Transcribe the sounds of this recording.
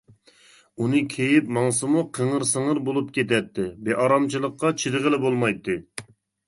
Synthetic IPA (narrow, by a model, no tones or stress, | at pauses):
unɨkʲʰejipmɑŋsɨmuqʰəŋəɾsəŋəɾbolˠup̚kʲʰet̪ɛt̪ʰːɪbeʔɑɾɑmt͡ʃʰɨlˠəqːɑt͡ʃʰid̪ɨʁəlɪbolˠmɑjt̪ːɨ